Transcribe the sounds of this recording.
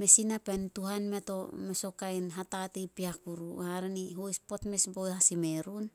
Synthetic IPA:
me̞sinapentuhanme̞to̞meso̞kajnɦatatipiakuɾṵhaɾaniɦojspo̞tme̞sbojhasime̞ɾun

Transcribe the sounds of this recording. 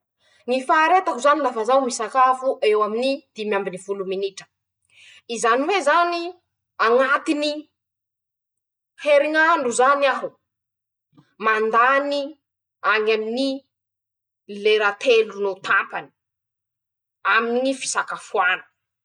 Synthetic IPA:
ŋifaːɾet̪akuzanilafazawmisakafuʔewaminid̪̥imiambinivuluminiʈ͡ʂə̥ | izaniwezani | aŋat̪ini | heɾiŋaɳɖ͡ʐuzaniaɦu | mand̪ani | aɲamini | leɾat̪ʰelunot̪ampani̥ | aminŋifi̥sakafuanə̥

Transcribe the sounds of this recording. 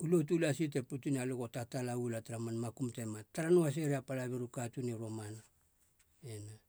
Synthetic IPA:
ulot̬ulasit̬eputunialoɡotatalaulataɾamanmakumtemataɾanoas̬e̞ɾeapalaβiɾukatuneɾomana | ena

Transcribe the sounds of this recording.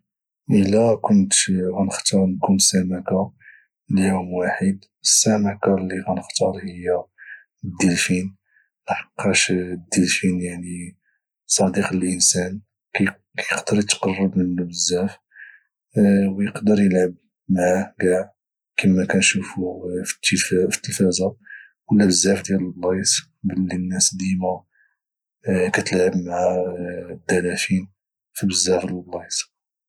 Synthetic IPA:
ʔəlækʊnt̪ɣænəxt̪ɑɾˤnkunsæmaka | ljumwaħid̪ | əsːæmakalːiɣænəxt̪ɑɾˤhəjːæ | d̪ːəlfin | nħɑ̥qːɑʃd̪əlfinjaʕni | sˤɑd̪iqləlʔənsæn | k | kæjəqd̪əɾjət̪qɑrˤːəbmənbəzːæf | wjəqd̪əɾjəlʕəb̚ | maʕaɡaʕ | kimːækænʃufuft̪ːffə̥t̪ːəfæzæ | wəlːæbzːæfd̪jæləlblɑjs | bəlːinːæsd̪ima | kæt̪əlʕəbmaʕad̪ːælæfin | fibəzːæfələlblɑjt̪

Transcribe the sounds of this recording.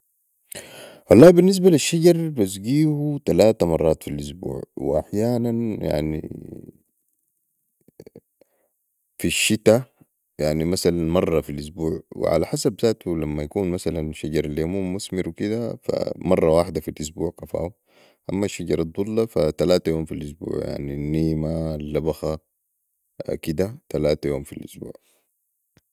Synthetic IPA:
wɑlˤːɑːbinːis̬baliʃːaɟɑɾˤbas̬ɡiːhut̪alaːt̪amɑrˤːɑːt̪filʔusbṵːʕwḭʔa̰ħjaːnanja̰ʕnḭ | fiʃːit̪a | jaʕnimasalanmɑrˤːɑfilʔusbuːʕwḭʕa̰laħasabzaːt̪ulamːajakuːnmasalanʃaɟɑɾˤaljamuːmːusmiɾwikid̪afa̰mɑrˤːɑwaːħd̪afilʔus̬buːʕqɑfa̰ːu | ʔamːaʃːaɟɑɾˤɑd̪ˤulːɑfat̪alaːt̪ajoːmfilʔusbṵːʕja̰ʕninːiːmalːabaxa | kid̪at̪alaːt̪ajoːmfḭlʔʊ̰sbṵːʕ

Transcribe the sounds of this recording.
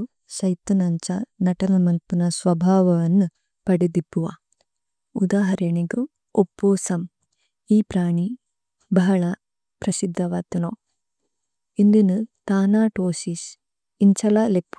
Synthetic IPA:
sɐjt̪ɐnɐɲt͡ʃɐnɐʈɐnɐmɐlpunɐsʋɐbʱaːʋɐʋɐnːu | pɐɽid̪ipːuʋa̰ː | ud̪aːɦɐɾɐɳiɡu | opːuːsɐm | iːpɾaːɳi | bɐɦɐɭɐ | pɾɐsid̪ʱːɐʋaːt̪unoː | ind̪inut̪aːnaːʈoːsis | iɲt͡ʃɐlɐlepːu

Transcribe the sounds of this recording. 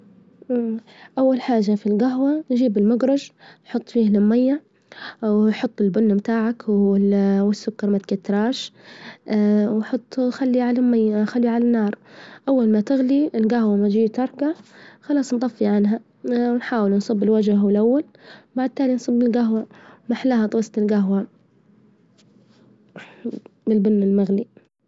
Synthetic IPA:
ʔ | ʔawːalħaːʒːafilɡaɦwand͡ʒiːbɪlmʊɡɾˤɑd͡ʒħʊt̪ˤːfiːhlɪmːajːaʕ | wħʊt̪ˤːɪlbʊnːamt̪aːʕakwɪwɪsːʊkːɑɾˤmat̪kat̪ːɾˤɑːʃ | wħʊt̪ˤːxalːiʕalajːxalːiʕalanːɑːɾˤʔawːalmat̪ɪɣliɪlɡahwamad͡ʒiːt̪ɑɾˤɡaʕxɑlɑːsˤnd̪ˤɑfːiʕanɦa | wnħaːwɪlnsˤɨbːɪlwad͡ʒaɦwɪlʔawːal | baʕd̪̚t̪aːlinsˤɨbːɪlɡaɦwamaħlahat̪ˤwɑːsˤt̪ɪlɡaɦwa | bɪlbʊnːɪlmaɣli

